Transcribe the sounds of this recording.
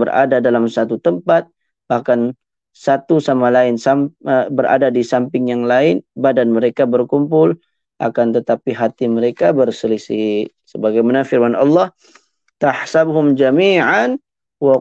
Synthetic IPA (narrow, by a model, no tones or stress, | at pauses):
bəra̰dadalamsat̪ut̪əmpat̪̚ | bahkan | sat̪usamalaɪnsabəra̰dadisampɪŋjaŋlaɪnbadanməɾekabərkumpʊl | ʔa̰kant̪ət̪apiɦat̪iməɾekabərsəlisi | səbaɡajmanafɪrmanɑ̰lːɑh | t̪aħsabɦʊmd͡ʒamiːʕan | wa